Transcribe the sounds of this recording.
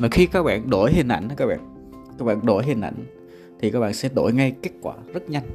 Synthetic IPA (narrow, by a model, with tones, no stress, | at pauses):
vaː˨˩xi˧kaː˦˥k̚ɓa̰ː˧˨nɗo˧˩jhi˨˩n̟ʔa̰˧˩jŋ̟a˨˦kaː˦k̚ɓa̰ː˧˨n | kaː˦˥k̚ɓa̰ː˧˨nɗo˧˩jɦi˨˩n̟ʔa̰˧˩jŋ̟ | t̪ʰi˨˩kaː˦˥k̚ɓa̰ː˧˨nsɛ̰˧˥ɗo̰˧˩jŋa˧jke˦˥t̚kwaː˧˩zə˦˥t̚ɲa˧jŋ̟